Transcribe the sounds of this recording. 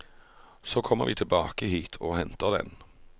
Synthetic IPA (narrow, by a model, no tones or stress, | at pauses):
sokʰɔmːə̰ɾʋiːt̪ʰɪlbɑːkəhiːt̪ʰoːhɛnt̪əʁd̪ɛ̰n